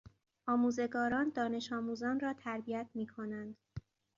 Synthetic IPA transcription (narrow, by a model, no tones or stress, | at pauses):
ʔɒːmuːze̞ɡɒːɾɒːnd̪ɒːne̞ʃɒːmuːzɒːnrɒːt̪ʰæɾbijæt̪̚ʰmiːkʰo̞nænd̪̥